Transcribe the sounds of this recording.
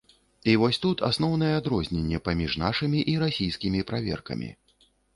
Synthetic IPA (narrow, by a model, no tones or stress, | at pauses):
ivɔsʲt̪ut̪a̰sn̪ɔwn̪ɐjɛad̪ɾɔzʲnʲenʲːɛpamʲiʐnaʂɨmʲiʔiɾasʲijskʲimʲipɾavʲɛ̰rkɐ̰mʲḭ